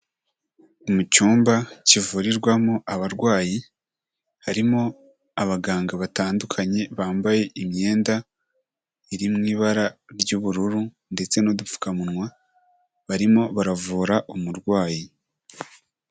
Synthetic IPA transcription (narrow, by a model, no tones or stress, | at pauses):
umut͡ʃuːmbacivuɾiɾɡwamoʔaβaɾɡwaːji | haɾimo̞ | aβaɡaːŋɡaβataːndukʰaɲe̞βaːmbaje̞ʔimɲe̞ːnda | iɾimŋiːβaɾaɾɟuβuɾuɾu | nde̞t͡se̞nodufu̥kamunŋwa | βaɾimo̞βaɾavuːɾaʔumuɾɡwaːji